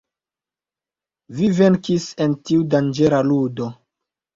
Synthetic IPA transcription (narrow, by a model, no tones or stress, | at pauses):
vive̞nkisentiudand͡ʒe̞ɾaludo̞